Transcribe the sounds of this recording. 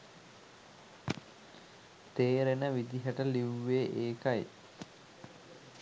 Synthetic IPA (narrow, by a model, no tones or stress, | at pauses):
t̪eːɾenəʋid̪iɦəʈəliʋːeʔeːkaj